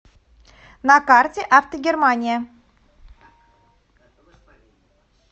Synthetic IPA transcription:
nakartʲeʔaft̪əɡʲermanʲɪjə

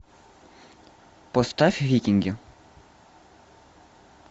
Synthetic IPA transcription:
pɔst̪afʲvʲikʲɪŋɡʲɪ

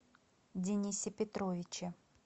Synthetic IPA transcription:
dʲɪnʲisʲɪpʲɪt̪ɾovʲɪt͡ɕɪ

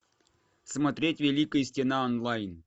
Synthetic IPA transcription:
smɐt̪ɾʲetʲvʲɪlʲikəjəsʲtʲɪnaonlˠajn

